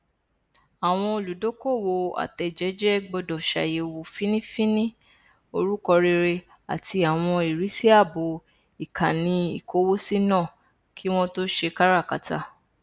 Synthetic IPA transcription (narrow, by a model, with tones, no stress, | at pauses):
a˨w̃ɔ̃˧o˧lu˨do˨˦ko˦˨wo˧a̰˨tɛ˧d͡ʒɛ˨˦d͡ʒɛ˦ɡ͡bɔ˧dɔ˨ʃa̰˨je˧wo˧fĩ˦nĩ˦fĩ˦nĩ˦ | o˧ɾu˦kɔ˧ɾe˧ɾe˧ | a̰˨tʰi˧a˨w̃ɔ̃˧i˨ɾi˨˦si˦a˦˨bo˨˦ | i˨kã˨nĩ˧i˨ko˨˦wo˦si˦nãː˦˨ | kʰi˦w̃ɔ̃˦to˦ʃe˧ka˦ɾa˦˨ka̰˨ta̰˨˦